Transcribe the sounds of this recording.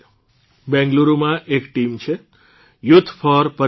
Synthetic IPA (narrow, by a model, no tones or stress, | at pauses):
bɛ̃ŋɡluɾomãʔekʈimt͡ʃʰe | jʊt̪ʰːpʰɔɾpə